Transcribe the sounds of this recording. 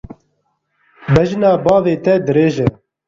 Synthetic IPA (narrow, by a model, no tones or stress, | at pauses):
bɛʒnɑːbɑːveːt̪ɛd̪ɨɾeːʒɛ